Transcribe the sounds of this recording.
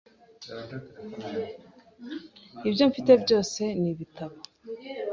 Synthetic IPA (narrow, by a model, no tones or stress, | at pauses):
ibjo̞ɱfite̞bjo̞ːse̞niβitʰaβa